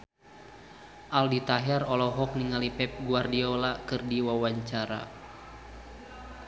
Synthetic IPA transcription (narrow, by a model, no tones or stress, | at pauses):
ʔaldit̪aɦɛrɔlɔɦɔk̚niŋalipɛp̚ɡuardiɔlakɨrdiwawaɲt͡ʃaɾa̰